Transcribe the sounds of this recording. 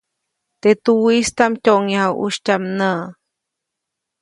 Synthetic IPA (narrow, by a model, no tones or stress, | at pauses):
t̪et̪uwist̪amcoʔŋahawʔṵʃtamnə